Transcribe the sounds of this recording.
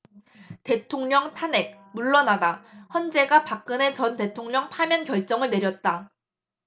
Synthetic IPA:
te̞tʰoŋɲʌŋtʰane̞k̚ | muɭːʌnadaçjʌnd͡ʑe̞ɡapak̚k͈ɯne̞t͡ɕʌnte̞tʰoŋɲʌŋpʰamjʌnkjʌɭt͡ɕ͈ʌŋɯɭne̞ɾjʌt̚t͈a

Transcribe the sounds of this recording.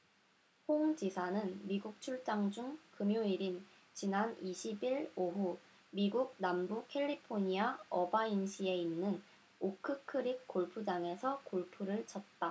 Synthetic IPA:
hoŋd͡ʑisʰanɯnmiɡuk̚t͡ɕʰuɭt͡ɕ͈aŋd͡ʑuŋkɯmjoiɾin | t͡ɕinaniɕʰibiɭoɦu | miɡuɡ̚nambukʰe̞ʎːipʰoɲiaʌbainɕʰie̞inːɯn | okʰɯkʰɯɾik̚k͈oɭpʰud͡ʑaŋe̞sʰʌkoɭpʰuɾɯɭt͡ɕʰʌt̚t͈a

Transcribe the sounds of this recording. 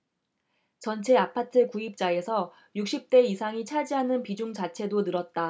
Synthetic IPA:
t͡ɕʌnt͡ɕʰe̞apʰatʰɯkuip̚t͡ɕ͈ae̞sʰʌ | juk̚ɕ͈ip̚t͈e̞isʰaŋit͡ɕʰad͡ʑiɦanɯnpid͡ʑuŋt͡ɕat͡ɕʰe̞donɯɾʌt̚t͈a

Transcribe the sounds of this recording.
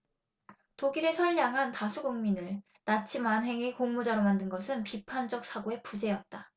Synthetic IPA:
toɡiɾe̞sʰʌʎːaŋɦantasʰuɡuŋminɯɭ | nat͡ɕʰimanɦe̞ŋekoŋmud͡ʑaɾomandɯnɡʌsʰɯnpipʰand͡ʑʌk̚s͈ʰaɡoe̞pud͡ʑe̞jʌt̚t͈a

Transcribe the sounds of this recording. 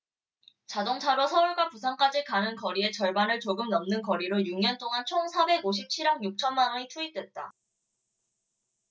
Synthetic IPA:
t͡ɕadoŋt͡ɕʰaɾosʰʌuɭɡwapusʰaŋk͈ad͡ʑikanɯnkʌɾie̞t͡ɕʌɭbanɯɭt͡ɕoɡɯmnʌmnɯnkʌɾiɾojuŋɲʌnt͈oŋant͡ɕʰoŋsʰabe̞ɡoɕ̬ʰip̚t͡ɕʰiɾaŋjuk̚t͡ɕʰʌnmanʌɲitʰuip̚t͈we̞t̚t͈a

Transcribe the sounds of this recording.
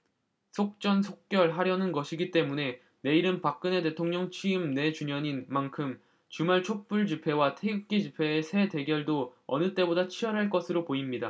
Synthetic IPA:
sʰok̚t͡ɕ͈ʌnsʰok̚k͈jʌɭɦaɾjʌnɯnɡʌɕʰiɡit͈e̞mune̞ | ne̞iɾɯnpak̚k͈ɯne̞t̬e̞tʰoŋɲʌŋt͡ɕʰiɯmne̞t͡ɕuɲʌɲinmankʰɯm | t͡ɕumaɭt͡ɕʰok̚p͈uɭd͡ʑipʰe̞watʰe̞ɡɯk̚k͈id͡ʑipʰe̞ːsʰe̞te̞ɡjʌɭdoʌnɯt͈e̞bodat͡ɕʰiʌɾɦaɭk͈ʌsʰɯɾopoimɲida

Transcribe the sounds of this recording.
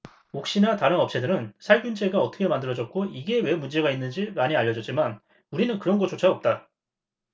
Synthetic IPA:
ok̚ɕ͈inataɾɯnʌp̚t͡ɕ͈ʰedɯɾɯnsʰaɭɡjund͡ʑeɡaʌt͈ʰʌkʰemandɯɾʌd͡ʑʌt̚k͈oiɡe̞we̞mund͡ʑe̞ɡainːɯnd͡ʑimaɲiaʎːʌd͡ʑʌt͡ɕ͈iman | uɾinɯnkɯɾʌnɡʌt͡ɕ͈ot͡ɕʰaʌp̚t͈a

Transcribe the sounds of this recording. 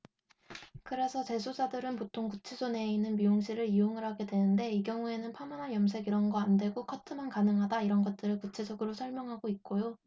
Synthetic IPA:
kɯɾe̞sʰʌt͡ɕe̞sʰod͡ʑadɯɾɯnpotʰoŋkut͡ɕʰisʰone̞inːɯnmioŋɕʰiɾɯɾioŋɯɾɦaɡe̞dwe̞nɯnde̞iɡjʌŋue̞nɯnpʰamananjʌms̬ʰe̞ɡiɾʌnɡʌandwe̞ɡokʰʌtʰɯmankanɯŋɦadaiɾʌnɡʌt̚t͈ɯɾɯɭkut͡ɕʰed͡ʑʌɡɯɾosʰʌɭmjʌŋɦaɡoit̚k͈ojo

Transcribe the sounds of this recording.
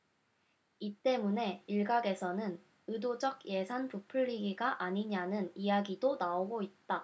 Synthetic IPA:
it͈e̞mune̞iɭɡaɡe̞sʰʌnɯn | ɯdod͡ʑʌɡ̚je̞sʰanpupʰɯɭːiɡiɡaʔaɲiɲanɯnijaɡidonaoɡoit̚t͈a

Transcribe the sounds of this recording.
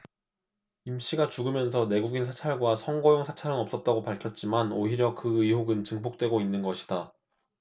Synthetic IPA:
imɕ͈iɡat͡ɕuɡɯmjʌns̬ʰʌne̞ɡuɡinsʰḁt͡ɕʰaɭɡwasʰʌŋɡʌjoŋsʰḁt͡ɕʰaɾɯnʌps͈ʌt̚t͈aɡopaɭkʰjʌt̚t͡ɕ͈imanoɦiɾjʌkɯiɦoɡɯnt͡ɕɯŋbok̚t͈we̞ɡoinːɯnɡʌɕʰi̥da

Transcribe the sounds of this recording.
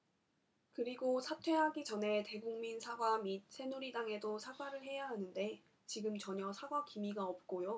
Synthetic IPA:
kɯɾiɡosʰatʰwe̞ɦaɡit͡ɕʌne̞te̞ɡuŋminsʰaɡwamit̚sʰe̞nuɾidaŋe̞dosʰaɡwaɾɯɭɦe̞jaɦanɯnde̞ | t͡ɕiɡɯmt͡ɕʌɲʌsʰaɡwakimiɡaʌp̚k͈ojo

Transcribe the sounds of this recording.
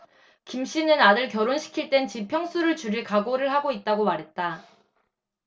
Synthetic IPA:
kimɕ͈inɯnadɯɭkjʌɾonɕʰi̥kʰiɭt͈e̞nt͡ɕipʰjʌŋs͈ʰuɾɯɭt͡ɕuɾiɭkaɡoɾɯɭhaɡoit̚t͈aɡomaɾɦe̞t̚t͈a

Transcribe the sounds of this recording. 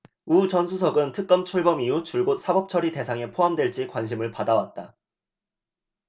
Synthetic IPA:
ut͡ɕʌnsʰusʰʌɡɯntʰɯk̚k͈ʌmt͡ɕʰuɭbʌmiut͡ɕuɭɡot̚s͈ʰabʌp̚t͡ɕʰʌɾite̞sʰaŋe̞pʰoɦamdwe̞ɭt͡ɕ͈ikwanɕʰimɯɭpadawat̚t͈a

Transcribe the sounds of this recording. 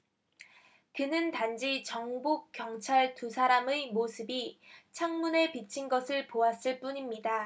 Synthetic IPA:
kɯnɯntand͡ʑit͡ɕʌŋbuk̚k͈jʌŋt͡ɕʰaɭtusʰaɾamɯmosʰɯbit͡ɕʰaŋmune̞pit͡ɕʰinɡʌsʰɯɭpoas͈ɯɭp͈uɲimɲida

